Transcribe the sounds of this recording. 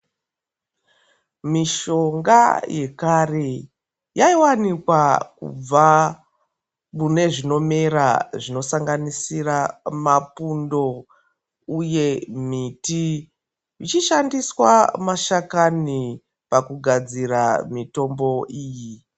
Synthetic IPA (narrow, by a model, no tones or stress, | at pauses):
miʃo̞ŋɡaje̞kare̞ | jaiwanikwakṵb͡va | mune̞ʐino̞meɾaʐino̞saŋɡanisiramapundo̞ | uje̞m̤iti | it͡ʃiʃandiswa̰maʃakani | pakuɡʱad͡ziɾamito̞mbo̞ʔiːji